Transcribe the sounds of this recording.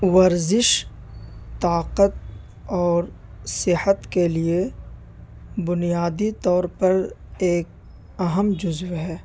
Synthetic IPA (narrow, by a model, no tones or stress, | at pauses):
ʋɐɾzɪʃ | t̪aːqət̪̚ | ɔːɾ | sɪhət̪kelie | bʊnijaːd̪it̪ɔːɾpɐɾeːk̚ | ɐɦəmd͡ʒʊzʋɦɛː